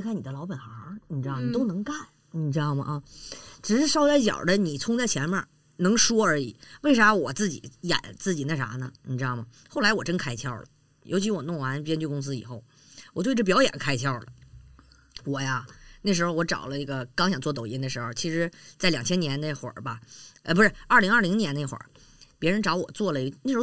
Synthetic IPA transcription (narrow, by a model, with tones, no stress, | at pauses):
kʰa˥˩ni˨˩d̪ə˦lɑ˧˥pa˨˩nxa˧˥ni˨˩ʈ͡ʂɻ̩˥d̪ɑ˥˩ʊni˨˩o˥ʊnɤ˧˥ŋka˥˩n | ni˨˩ʈ͡ʂɻ̩˥d̪ɑ˥˩ʊmɐ̰˩ʔɐ˧˩ʈ͡ʂɻ̩˨˩ʂɻ̩˥˧ʂɑ˥ʊt͡sa˥ɪt͡ɕjɑ̰˨˩d̪ə˦ni˨˩t͡sʰʊ˥ŋt͡sa˥˩ɪt͡ɕʰjɛ˧˥nmɐ˧˩ | nɤ˧˥ŋʂwɔ˥ə˞˧˥i˨˩˦we˥˩ɪʂa˧˥wɔ˨˩t͡sɹ̩˥˩t͡ɕḭ˨˩˦jɛ̰˨˩˦nt͡sɹ̩˥˩t͡ɕi˨˩na˥˩ʂa̰˧˥nə̰˧nḭ˨˩ʈ͡ʂɻ̩˥d̪ɑ˥˩ʊmɐ˩xo˥˩ʊla˧˥ɪwɔ˨˩ʈ͡ʂə˥nkʰa˥ɪt̪ʰjɑ˥˩ʊlə̰˩ | jʔo˧˥ʊt͡ɕʰi˧˥wɔ˨˩nʊ˥˩ŋwa˧˥npjɛ˥nt͡ɕy˥˧kʊ˥ŋs̬ɹ̩˥i˨˩xo˥˩ʊ | wɔ˨˩t̪we˥˧ɪʈ͡ʂɤ˥˩pjɑ˧˥ʊjɛ̰˨˩nkʰa˥ɪt̪ʰjɑ˥˩ʊlə̰˩ | wɔ˨˩ja˧ne˥˩ʂɻ̩˧˥xo˧ʊwɔ˧˥ʈ͡ʂɑ̰˨˩ʊlə˦i˥˩ɡə˧kɑ˥ŋɕjɑ˨˩ŋt͡swɔ˥˩t̪o˨˩ʊi˧˥nd̪ə˧ʂɻ̩˧˥xo˧ʊt͡ɕʰi˧˥ʂɻ̩˧˥t͡sa˥˩ɪljɑ˨˩ŋt͡ɕʰjɛ˥njɛ˧˥nne˥˩ɪxwə̰˞˨˩bɐ̰˦˥˧p̬u˧˥ʂɻ̩˥˩ə˞˥˩li˧˥ŋə˞˥˩li˧˥ŋnjɛ˧˥ne˥˩xwə̰˞˨˩˦ | pjɛ˧˥ɻə˧˥nʈ͡ʂɑ˧˥ʊwɔ˨˩t͡swɔ˥˩lə˩˧ne˥˩ʂɻ̩˧˥˧